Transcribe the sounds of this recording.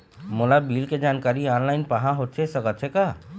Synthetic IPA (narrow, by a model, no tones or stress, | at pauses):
molabilked͡ʒaːnkaɾianlaɪnpaɦãɦot̪̚t͡ʃʰɛsəkət̪̚t͡ʃʰɛka